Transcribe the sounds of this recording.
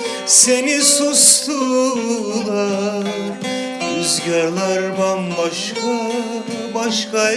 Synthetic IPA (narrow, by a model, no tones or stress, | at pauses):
senisuslu | lˠa | øzɟʲaɾlˠaɾbanbaʃkʰu | baʃkʰa